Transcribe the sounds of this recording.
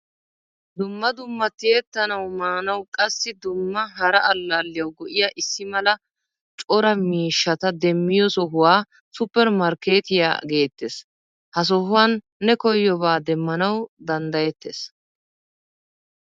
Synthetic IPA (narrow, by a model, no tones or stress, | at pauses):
d̪ʊmːɐd̪ʊmːɐt̪ːɪjet̪ːɐnɐwmaːnɐwkʼɐsːɪd̪ʊmːɐɦɐɾɐʔɐlːalːɪjɐwɡɔʔɪjaʔɪsːɪmɐlɐ | t͡ʃʼɔɾɐmiːʃːɐt̪ɐd̪ɛmːɪjɔsɔɦʊwaː | sʊpːɛɾmɐɾke̞ːt̪ɪja̰ːɡe̞ːt̪ːes | hɐs̬ɔɦʊwɐnː | ɛkɔjːɔbaːd̪ɛmːɐnɐwd̪ɐnd̪ɐjɛt̪ːeːs